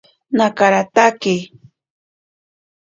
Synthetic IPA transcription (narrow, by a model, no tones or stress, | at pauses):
nakaɾat̪ake